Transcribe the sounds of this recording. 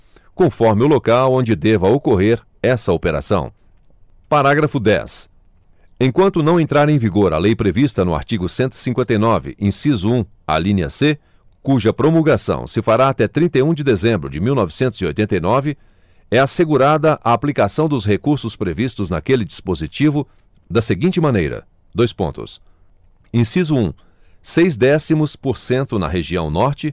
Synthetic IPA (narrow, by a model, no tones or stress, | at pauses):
kõfɔɾmɪʊlokawõd͡ʒɪd̪ɛvɐokoɦeɾ | ɛsɐopeɾa̰sɐ̰̃w̃ | paɾaɡɾɐfʊd̪ɛ̰s | ẽkwɐ̃nt̪ʊnɐ̃w̃ẽnt̪ɾaɾẽj̃viɡoɾɐ̰lejpɾevist̪ɐnʊa̰ɾt͡ʃiɡʊsẽnt̪ʊɪ̥sĩŋkwẽnt̪ejnɔvɪ̰ʔẽsizũ | a̰lĩnɐ̰se | kuʒɐpɾomulɡasɐ̰̃w̃sɪfaɾaat̪ɛt̪ɾĩnt̪ɐjũd͡ʒɪd̪ezẽmbɾʊd͡ʒɪmiwnɔvɪsẽnt̪ʊzio̰jt̪ẽnt̪ejnɔvɪ | ɛaseɡuɾad̪ɐʔaːplikasɐ̃w̃d̪ʊsɦekuɾsʊspɾevist̪ʊznɐkelɪd͡ʒispozit͡ʃivʊ | d̪ɐseɡĩnt͡ʃɪmɐ̃nejɾɐ̰ | d̪ojspõ̰nt̪ʊ̰s | ẽsizʊũ | sejzd̪ɛsimʊspoɾsẽnt̪ʊnɐ̰ɦeʒiɐ̃w̃nɔɾt͡ʃɪ